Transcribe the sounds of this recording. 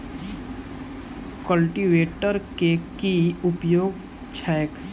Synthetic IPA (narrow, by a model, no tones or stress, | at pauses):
kəlʈiʋeːʈəɾkekiʊpjoːɡ | t͡ʃʰɛːjk